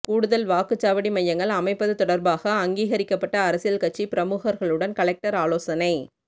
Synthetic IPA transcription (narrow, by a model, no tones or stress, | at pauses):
kuːɽɯðɐlʋaːkɯt͡ʃːaːʋɐɽimɐjːɐŋɡɐɭɐmɐɪpːɐðɯt̪ɔɽɐɾbaːɣɐːŋɡiːɣɐɾɪkːɐpːɐʈːɐːɾɐsɪjɐlkɐʈ̚t͡ʃːipɪɾɐmuːɣɐɾɣɐɭɯɽɐnkɐɭɛk̚ʈɐɾaːloːsɐnɐɪ